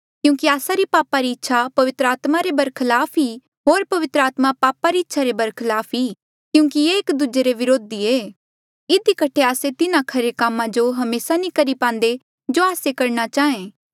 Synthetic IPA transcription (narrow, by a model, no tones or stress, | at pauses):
kjũːkiaːsaɾipaːpaɾiɪtːʃʰapɐʋɪt̪ɾəaːt̪maɾebɐɾkʰlaːpʰi | ɦoːɾpɐʋɪt̪ɾəaːt̪mapaːpaɾiɪtːʃʰaɾebɐɾkʰɪlaːpʰiː | kjũːkijeːkd̪ud͡ʒeɾeʋɪɾoːd̪ieː | ɪd̪ikɐʈʰeaːset̪ɪnãkʰɐɾekamːãd͡ʒoɦɐmeːsanĩkɐɾipãːnd̪e | d͡ʒoaːsekɐɾñat͡ʃaːẽː